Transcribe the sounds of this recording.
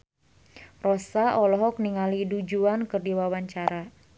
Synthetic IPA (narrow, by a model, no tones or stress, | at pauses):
rɔsaʔɔlɔɦɔk̚niŋalidud͡ʒuankɨrdiwawaɲt͡ʃaɾa